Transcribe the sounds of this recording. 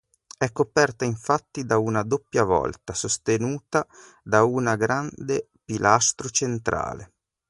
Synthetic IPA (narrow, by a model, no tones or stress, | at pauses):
ɛkːopɛrt̪aiɱfat̪ːid̪aunad̪opːjavɔ̰lt̪asost̪enuːt̪a | d̪aunaɡɾand̪e | pilʔast̪ɾot͡ʃent̪ɾa̰ːle